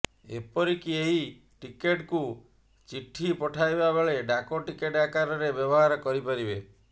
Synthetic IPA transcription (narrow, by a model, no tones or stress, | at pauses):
ḛpɔɾikieɦi | ʈikeʈku | t͡ʃiʈʰːipɔʈʰajbabeɭeɖakoʈikeʈakaɾɔɾebjɔbɔɦaɾɔkɔɾipaɾibe